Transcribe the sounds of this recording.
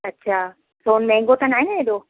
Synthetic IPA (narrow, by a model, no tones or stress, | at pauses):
ɐtːɕʰaː | sonmɛ̃ɦŋɡot̪ɐnaːineɗoː